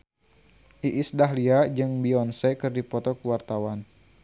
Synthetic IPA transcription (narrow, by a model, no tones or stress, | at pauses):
ʔiʔisdaɦliad͡ʒɨŋbiɔnsɛkɨrdipɔt̪ɔkuwart̪awan